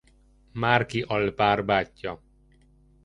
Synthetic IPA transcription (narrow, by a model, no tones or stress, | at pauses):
maːrkiʔɒlpaːrbaːcːɒ